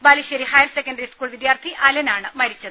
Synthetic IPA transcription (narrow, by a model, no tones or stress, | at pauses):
baːliɕɐɾihɐjɐlsekːɐnɖɐɾiskuːɭʋid̪jaːrt̪ʰiʔɐlɐnaːɳɨmɐɾit͡ɕːɐðɨ